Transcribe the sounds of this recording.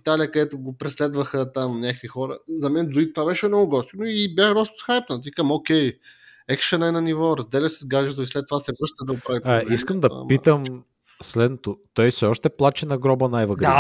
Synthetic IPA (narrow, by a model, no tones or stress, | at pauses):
it̪aliəkəd̪ɛt̪ʊɡopɾɛslɛd̪vəxət̪amnʲjakkvixɔɾə̰zɐmɛnd̪ʊɾit̪ovabɛʃɛmnɔɡʊɡɔt̪t̪ʲnoibjaxd̪ɔst̪ʊ̥sxajpnət̪ikamokʲɛj | ɛkʃənɛnɐnivɔɾɐzd̪ɛlʲəsɛzɡad͡ʒɛt̪oislɛt̪ːovasɛvɾɤst̪əd̪ɐɡopɾavit̪aiskəmd̪ɐ̰pit̪əm | slɛd̪not̪ot̪ɔjsɛɔʃt̪ɛplˠat͡ʃɛnɐɡɾɔbənajvɐɡɾi